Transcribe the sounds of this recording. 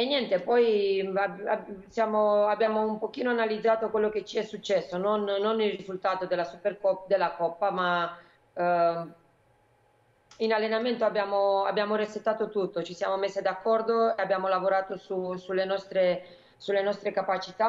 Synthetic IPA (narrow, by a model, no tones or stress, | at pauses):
enjɛnt̪epɔjaasjaːmoabːjaːmoumpok̟iːnoanalid̪zaːt̪okwelːok̟et͡ʃiɛsːut͡ʃːɛsːononːonilrizult̪aːt̪od̪elasuperkɔd̪elːakɔpːama | inalːenament̪oabːjaːmoabːjaːmorespet̪ːaːt̪ot̪ut̪ːot͡ʃisja̰ːmomesːed̪akːɔrd̪oeabːjaːmolavoɾaːt̪osusulːenɔst̪ɾe | sulːenɔst̪ɾekapat͡ʃit̪a